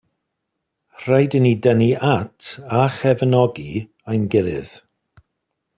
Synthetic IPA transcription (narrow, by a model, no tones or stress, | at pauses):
r̥ajdənidɛniʔatʰaxɛvənɔɡi | ajnɡɪɾɪ̰ð̥